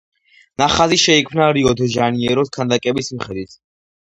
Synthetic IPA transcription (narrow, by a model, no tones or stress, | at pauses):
naχaziʃɛikʰmnaɾiɔd̪ʒaniɛɾɔskʰand̪akʼɛbismiχɛd̪wit̪ʰ